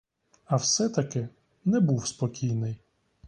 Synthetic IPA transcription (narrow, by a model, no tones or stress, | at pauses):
ɐwsɛt̪ɐkɪ | nɛbuwspɔkʲijnɪj